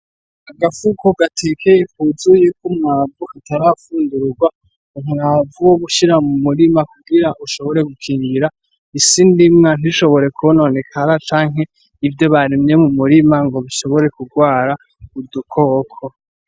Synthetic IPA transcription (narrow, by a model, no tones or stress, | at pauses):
aɡafukoɡatʰekʰejekuzujekʰumŋaːbuhataɾafuːnduɾuɡwa | umŋaːvuwoβuʃiɾamumuɾimakuɡiɾaʔuʃo̞βo̞ɾe̞ɡukʰiːŋɡiɾa | isindimŋan̥iʃo̞βo̞ɾe̞kuonone̞kʰaɾat͡ʃaːŋ̥ɦe̞ | ivjo̞βaɾimɲe̞mumuɾimaŋɡo̞βiʃo̞βo̞ɾe̞kuɡwaːɾa | udukʰokʰo